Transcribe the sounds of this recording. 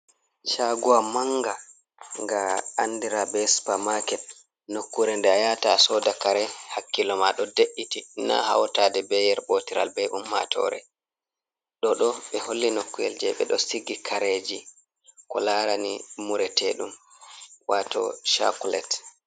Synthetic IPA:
t͡ʃaɡuwamaŋɡa | ŋɡaːndiɾabɛspamakɛt̚ | nokːuɾɛndɛajatasɔdakaɾɛhakːilɔmaɗɔdeʔːitina̰ha̰wtadɛbɛjɛɾbotiɾa̰lbɛɗumːa̰tʰɔ̰ɾɛ̰ | ɗɔɗɔɓɛholːinokːujɛ̰ld͡ʒɛɓɛ̰ɗɔsiɡikʰaɾed͡ʒi | kɔlaɾanimuɾɛtʰɛɗum | watɔ̰ʃa̰kulɛ̰t

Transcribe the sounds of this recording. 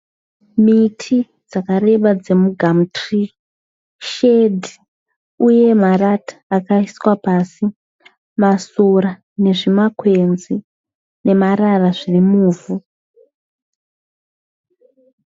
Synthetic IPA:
mitʰi | d͡zakaɾe̞ɓad͡ze̞muɡʱamutri | ʃedi | uje̞maratʰḁːkaiswapasi | masoɾa | ne̞ʐimakwe̞nzi | ne̞maɾaraʐirimuːvu

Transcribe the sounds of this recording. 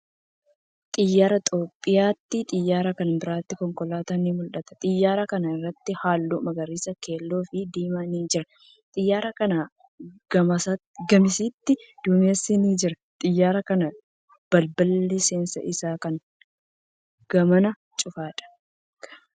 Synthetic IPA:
t̪ʼɪjːaːɾɐt̪ʼo̞ːpʼːɪjaːt̪ːɪt̪ʼɪjːaːɾɐkɐnbɪɾaːt̪ːɪkɔŋkɔlaːt̪animʊlᶑɐt̪ɐ̥t̪ʼɪjːaːɾɐkɐnɐɪrːɐt̪ːɪhaːlːuːmɐɡɐɾiːsɐke̞ːlːo̞ːfɪd̪iːmaniːd͡ʒɪɾɐ | t̪ʼɪjːaːɾɐkɐna | ɡɐmɐsɐ | ɡɐmɪsiːt̪ːɪd̪̥ʊmɪjɐsiniːd͡ʒɪɾɐ | t̪ʼɪjːaːɾɐkɐnɐ | b̥ɐlbɐlːeseːnsɐ̰ʔɪsaːkɐŋ | ɡ̥ɐmɐnɐ | t͡ʃʼʊfaːᶑɐ̥

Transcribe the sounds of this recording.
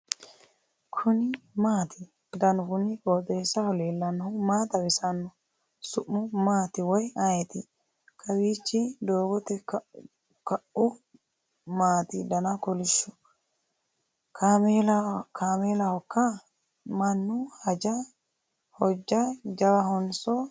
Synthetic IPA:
kʰʊnɪmaːt̪ʰɪ | d̪ɐnʊɡʊnɪkʼoːt̪ʼeːsɐhɔleːlːɐnːhʊmaːt̪ɐwɪsɐnːɔ | sʊʔːʊmaːt̪ɪwɔjɐjɛt̪ɪ | kʰɐwiːt͡ʃːɪd̪oːbɔt̪ːɛ | kɐʔʊ | maːt̪ɪd̪ɐnɐkɔlɪʃːʊ | kʰalkʰaːmeːlɐhɔkːɐ | mɐnːʊhɐd͡ʒɐ | hɔd͡ʒːɐd͡ʒɐwɐhɔnsɔ

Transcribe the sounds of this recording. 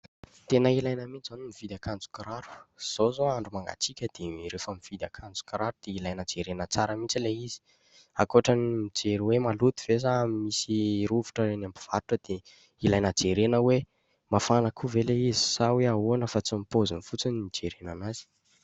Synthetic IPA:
t̪enəilajnəmint͡szanimiv̥id̪akand͡zu̥kaɾaɾu̥z̥ozoaɳɖ͡ʐumaŋɡa̰t͡sikʲəd̪̥eɾefamiv̥id̪akʰand͡zu̥kɾaɾud̪̥eilajnəd͡zeɾenət͡saɾəmit͡sileizi̥ | a̰koaʈ͡ʂanimid͡zeɾiwemalut̪ivezamimisiɾuvu̥ʈ͡ʂəenambi̥v̥aɾuʈ͡ʂəd̪̥e | ilajnəd͡zeɾenəwe | mafanəkʰuveleizi̥saweauanəfat͡simipozunifut͡sinid͡ʒeɾenanazi̥

